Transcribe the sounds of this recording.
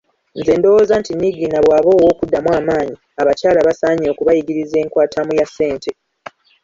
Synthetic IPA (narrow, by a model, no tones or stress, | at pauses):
nze̞ːndo̞woːzantinːiɡiːnaβwaːβo̞ːwo̞ːkudːamwaːmaːɲi | aβacaːlaβasaːɲio̞ːkuβajiɡiɾize̞ːŋkwaːtamujasːe̞ːntʰe̞